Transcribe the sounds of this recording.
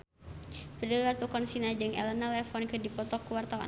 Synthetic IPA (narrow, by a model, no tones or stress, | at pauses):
pədəlat̪ukɔnsinad͡ʒɨŋɛ̰lənalɛfɔnkɨdipɔt̪ɔkːəwart̪awa̰